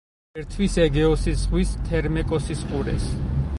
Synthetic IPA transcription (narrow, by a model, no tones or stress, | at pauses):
ɛɾt̪ʰwisɛɡɛɔsiszʁwist̪ʰɛɾmɛkʼɔsisqʼuɾɛ̰s